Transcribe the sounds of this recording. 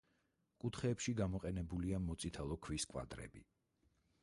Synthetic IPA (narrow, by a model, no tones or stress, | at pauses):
kʼut̪ʰχɛːpʃiɡamɔqʼɛnɛbuliamɔt̪sʼit̪ʰalˠɔkʰwiskʼwa̰d̪ɾɛ̰bḭ